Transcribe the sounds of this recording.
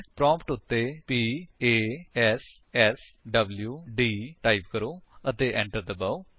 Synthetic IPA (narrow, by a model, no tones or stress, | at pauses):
pɾɔ̃ːmpʈʊt̪ːeːpiːeːɛːs | ɛːsɖəbljuːɖiːʈaːibkəɾoːət̪eːʔɛ̃ɳʈəɾd̪əbaːu